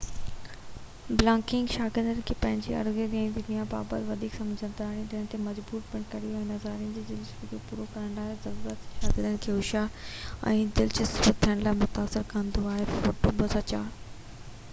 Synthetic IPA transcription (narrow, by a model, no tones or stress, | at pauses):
blãːkɪ̃ŋɡʃaːɡɪɾd̪ənɪ̆kʰeːpɐ̃ɦɪ̃ɲd͡ʑiɐ̰ɾɡid̪ɛ̃d̪ʊnijaba̰ːbət̪ʋɐd̪ʱiːksɐ̃md͡ʑʱə̃nd̪aːĩd̪ɪəɽ̃̆t̪emɐd͡ʑbuːɾpɪɽ̃kɐɾijoɛ̃ːnɐzaːɾijən̆d͡ʑiːd͡ʑɪlɪsbəkʰopuːɾokɐɾə̃ɳɖaːɦezɐɾuːɾət̪ʃaːɡɪɾd̪ənɪ̆kʰeːɦʊʃaɛ̰̃ːd͡ʑɪlt͡ɕɪsbət̪ʰːijəɽ̃laːɪmʊt̪aːsɪɾkɐə̃nd̪oaːɦefoːʈobʊzət͡ɕaː